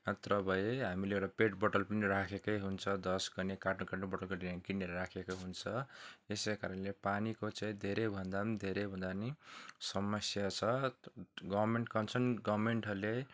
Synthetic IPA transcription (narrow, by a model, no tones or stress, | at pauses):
ʌt̪rʌbʱʌjeɦamileewʈapeʈbʌʈʌlpiniɾakʰekʌjɦunt͡sʰʌd̪ʌsɡʌnekaʈnukaʈnubʌʈʌlkʌʈinakinːeɾʌɾakʰekoɦunt͡sʰʌesekaɾʌnlepanikot͡saĩd̪ʱeɾebʱʌnd̪and̪ʱeɾejbʱʌnd̪anisʌmʌsjat͡sʰʌ | ɡʌmeɳʈkʌnt͡sʰʌnɡʌwmeɳʈɦʌrle